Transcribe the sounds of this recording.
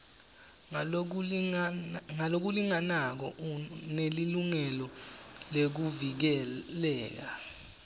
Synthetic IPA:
ŋalok̬uliŋanak̬ɔ̰neliluŋɛlɔlek̬uvik̬ɛlɛːk̬a

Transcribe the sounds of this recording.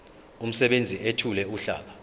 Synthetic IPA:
um̩sɛɓend͡zʱiʔetʰulɛuɬa̰ːɓa

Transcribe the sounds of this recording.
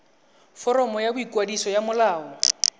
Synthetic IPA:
fɔɾɔmɔjabʊikʼwadisɔjamʊlaːɔ

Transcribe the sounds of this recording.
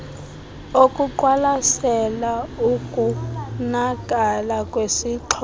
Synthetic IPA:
okʼuǃwalasɛlaukʼunakʼalakʼwesiǁʰɔ

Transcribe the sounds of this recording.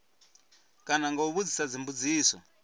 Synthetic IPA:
kanaŋɡauβud͡zisad͡zimbud͡ziːsɔ̰

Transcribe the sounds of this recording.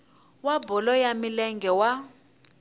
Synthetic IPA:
wabɔlɔjamilɛŋɡʱɛwa

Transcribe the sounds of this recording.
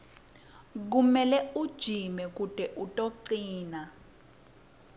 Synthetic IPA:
k̬umɛlɛud̥ʒ̥ʱimɛk̬ud̥ʼʱɛʔutʼoǀiːna

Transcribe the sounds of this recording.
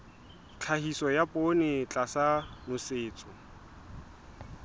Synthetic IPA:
t͡ɬʰahisɔjapʼonɪt͡ɬʼasanʊsɪːt͡sʼʊ

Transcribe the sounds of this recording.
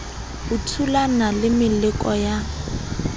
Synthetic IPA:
ʊtʰulanalɪmɪlɪkʼɔja

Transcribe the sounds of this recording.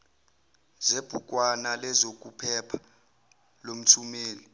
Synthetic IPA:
zeb̥ʱukʼwanalɛzokʼupʰɛpʰḁ | lom̩tʰumeːli

